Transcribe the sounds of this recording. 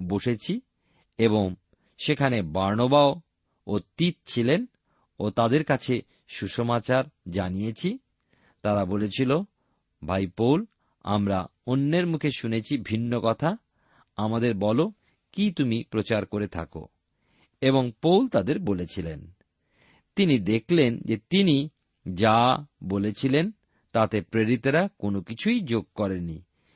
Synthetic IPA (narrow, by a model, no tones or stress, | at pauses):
boʃet͡ɕʰi | eβoŋ | ʃekʰanebaɾnobao | ot̪it̪̚t͡ɕʰilen | ot̪ad̪eɾkat͡ɕʰe | ʃuʃomat͡ɕaɾd͡ʑanijet͡ɕʰi | t̪aɾabolet͡ɕʰilo | bʱajpowl | a̰mɾaonːeɾmukʰeʃunet͡ɕʰibʱinːokɔt̪ʰa | amad̪eɾbɔlo | kit̪umipɾot͡ɕaɾkoɾet̪ʰa̰ko̰ | eβoŋpowlt̪ad̪eɾbolet͡ɕʰilen | t̪inid̪ekʰlend͡ʑet̪ini | d͡ʑabolet͡ɕʰilen | t̪at̪epɾeɾit̪eɾakonokit͡ɕʰujd͡ʑoɡ̚kɔɾeni